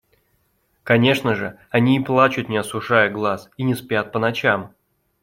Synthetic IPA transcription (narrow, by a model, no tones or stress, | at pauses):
kɐnʲe̞ʂnəʐɨ | ɐnʲiːplˠat͡ɕʊt̪nʲɪɐsʊʂajəɡlˠasinʲɪspʲat̪̚pənɐt͡ɕam